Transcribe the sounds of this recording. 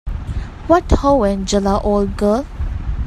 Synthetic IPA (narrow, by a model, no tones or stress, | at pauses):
wɔthowɛ̃nd͡ʒəlaʔold̚ɡəl